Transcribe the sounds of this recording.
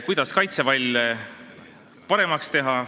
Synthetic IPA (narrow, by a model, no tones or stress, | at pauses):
kujd̪̥ɑskɑjt̪sevɑlʲ | pɑɾe̞mɑkst̪e̞ɦɑ